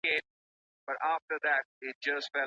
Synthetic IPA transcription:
ẽ | b̥ʌɾæftə˞ðæt̚ɪt̚d͡ʒʌstfɛ

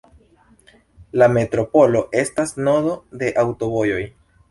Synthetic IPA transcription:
lame̞tɾo̞po̞lo̞ʔe̞stasno̞do̞de̞ʔawto̞βojo̞j

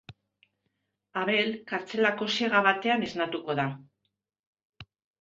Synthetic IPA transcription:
aβe̞lkaɾt͡se̞lako̞se̞ɣaβat̪e̞ane̞znat̪uko̞ða

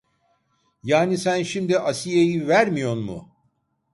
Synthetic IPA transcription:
jaːnisænʃimd̪iʔasijejivæɾmijo̞nmʊ̰

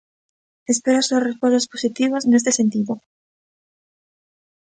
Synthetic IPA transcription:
espeɾosorespolasposit̪iβasnest̪esẽnt̪iðo

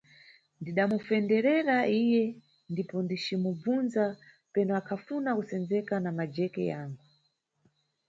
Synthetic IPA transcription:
ndiɗamufɛndɛɾɛɾaʔijɛ | ndipɔndit͡ʃimub͡vunza | pɛnɔakʰafunakusɛnd͡zɛkanamad͡ʒɛkɛ̰jaːŋɡu

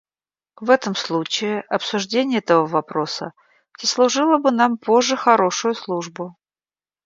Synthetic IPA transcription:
vɛt̪əmslˠut͡ɕɪɪʔɐpsʊʐdʲenʲɪjɛt̪əvəvɐpɾo̞sə̰ | tʲɪslˠʊʐɨlˠəbɨnampo̞ʐːɨxɐɾo̞ʂʊjʊslˠuʐbʊ

